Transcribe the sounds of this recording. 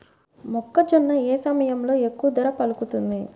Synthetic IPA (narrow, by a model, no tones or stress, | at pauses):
mɔkːɐd͡ʒɔnːɐeːsɐmɐjɐmlo̞ːe̞kːuʋɐd̪ɐɾɐpɐlukut̪und̪i